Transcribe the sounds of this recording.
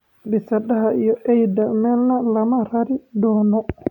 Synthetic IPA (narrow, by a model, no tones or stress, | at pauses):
bɛsadaɦaijɔʔɛjdamɛlnalamaɾaɾidɔːnɔ